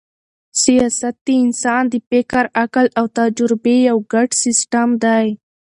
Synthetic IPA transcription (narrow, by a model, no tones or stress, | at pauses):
sijɑsat̪̚d̪iɪnsɑnd̪ipɪkaɾakalawt̪ad͡ʒɾɪbejawɡaʈsɪsʈamd̪aj